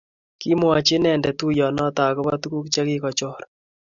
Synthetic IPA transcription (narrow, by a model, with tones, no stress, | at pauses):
ki˦mwa˨t͡ʃɪ˦nɛ˨ndɛ˨tu˦jɔ˨nɔ˦ta˨kʊ˦pa˦tu˦ku˦kt͡ʃa˦kɪ˦kɔ˨t͡ʃɔ˦ɾ